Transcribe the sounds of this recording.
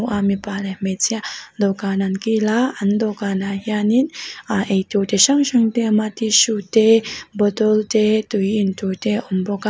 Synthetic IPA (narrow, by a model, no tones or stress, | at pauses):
ʔamipalehmet͡sjad̪okanankilaand̪okanaɦjaninaʔet̪ot̪eɕəŋʃəŋt̪emat̪iʃut̪ebəd̪ɔlt̪et̪uiːnt̪ot̪eumpɔka